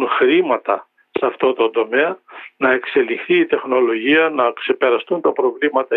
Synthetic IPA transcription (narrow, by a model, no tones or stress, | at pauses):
nxɾimɐt̪ɐ | sɐft̪o̞t̪o̞nd̪o̞meɐnɐe̞kse̞lixθiːt̪e̞xno̞lo̞ʝiɐnɐkse̞pe̞ɾɐst̪unt̪ɐpɾo̞vlimɐt̪ɐ